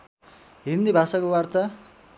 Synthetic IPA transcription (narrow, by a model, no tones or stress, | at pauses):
ɦind̪ibʱasakowart̪ʌ